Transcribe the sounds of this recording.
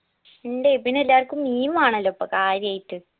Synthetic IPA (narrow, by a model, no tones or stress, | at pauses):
eɳɖepinːeelːaːrkʲːumːiːmaːɳɐlːopːɐkaːɾjɐjiʈːɨ